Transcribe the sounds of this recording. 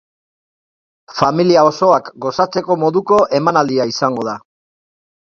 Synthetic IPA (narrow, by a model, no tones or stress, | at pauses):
familiao̞so̞akɡo̞sat͡se̞ko̞mo̞ðuko̞ʔe̞manald̪iaisaŋɡo̞ða